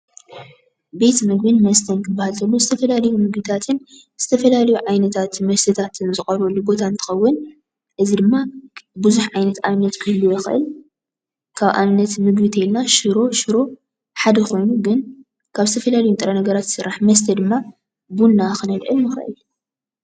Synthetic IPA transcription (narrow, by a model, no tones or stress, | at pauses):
be̞t̪mɨɡ̚bɨnmɐst̪ʰɐnkʰɨbːahalt̪ʰɐlːuzɨt̪ʰɐfɐlalɐjumɨɡbɨt̪ʰat̪ʰɨn | z̥ɨt̪ʰɐfɐlalɐjuʕajnɐt̪ʰat̪mɐst̪ʰɐt̪ʰat̪ʰɨnzɨxʼɐɾɐlːuɡo̞t̪ʰant̪ʰɨ̥xɐwːʊn | ʔɨzid̪ɨmːabɨzuħʕajnɐt̪anɨnɐt̪kʰɨhlːujɛxɨʔɨ̰l | kʰaβʔa̰nɨnːɐt̪mɨɡbit̪ʰɐjilnaʃɨɾo̞ʃɨɾo̞ | ħad̪ɐxʰo̞jnuɡɨn | kʰaβzɨt̪ʰɐfɐlalɐjunt̪ʼɨɾɐnɐɡɐɾat̪sɨɾːaħmɐs̬t̪ʰɐd̪ɨmːa | bunːaxɨnɐlʔɨlnɨxɾɐ̰ʔɨ̰l